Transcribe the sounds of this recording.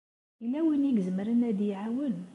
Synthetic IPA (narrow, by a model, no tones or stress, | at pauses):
ilːæwiniɡzəmɾənæd̪iʕawən